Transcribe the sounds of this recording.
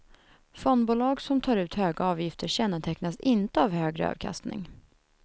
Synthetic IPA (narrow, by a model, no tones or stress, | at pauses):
fɔnd̪buːlɑːɡsɔmt̪ʰɑːɾʉ̟ːt̪høːɡaɑːvjɪft̪əɾɕɛnːət̪ʰɛknasɪnt̪əavhøːɡɾə̰ɑ̰ːvkʰa̰st̪nɪ̰ŋ